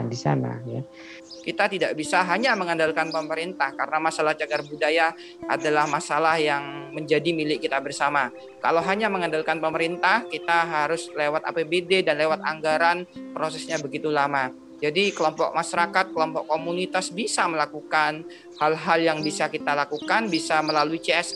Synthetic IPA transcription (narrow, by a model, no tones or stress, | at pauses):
disa̰na̰ja | kit̪at̪idaʔbisaɦaɲaməŋandalkanpəməɾint̪ahkaɾənamasalahd͡ʒaɡarbudaja | ʔa̰dalahmasalahjaŋməɲd͡ʒadimilɪkkːit̪abərsama | ka̰lawɦaɲaməŋandalkanpəməɾint̪ahkit̪aɦaɾʊslewat̪̚a̰pebededanlewat̪aŋɡaɾanpɾosɛsɲabəɡit̪ulama | d͡ʒadikəlɔmpɔ̰k̚maʃaɾakat̪̚kəlɔmpɔkkːomunit̪asbisaməlakukan | halɦaljaŋbisakit̪alakukanbisaməlaluit͡ʃɛs